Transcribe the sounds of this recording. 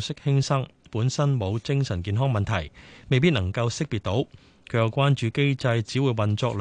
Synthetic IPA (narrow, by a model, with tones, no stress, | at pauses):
sɪ˥k̚hɪ˥ŋsɐ˥ŋpuː˨˥nsɐ˥nmo˨˧wt͡sɪ˥ŋsɐ˨˩nkiː˨˧nɦɔː˥ŋmɐ˨nt̪ʰɐ˨˩jme˨jpi˥nɐ˨˩ŋkɐ˧wsɪ˥k̚piː˨t̚t̪o˨˥w | kʰɵ˨˧˥jɐ˨˧wkʷaː˥nt͡ʃyː˨˧ke˥jt͡sɐ˧jt͡siː˨˥wu˨˧jwɐ˨nt͡sɔː˧k̚l